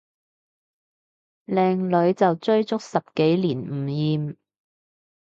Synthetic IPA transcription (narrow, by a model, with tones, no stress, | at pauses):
lɛː˧ŋlɵ˨˧˥ɥt͡sɐ˨wt͡ʃɵ˥ɥt͡sʊ˥k̚sɐ˨p̚ke˨˥jliː˨˩nm̩˨˩jiː˨m